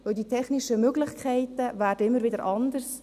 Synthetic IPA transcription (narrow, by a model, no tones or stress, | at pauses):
ʋɵwditʰɛχnɪʃəmøɡlɪχkʰɛɪtəvæːɾdəɪmːəɾvɪdəɾʔɑndərs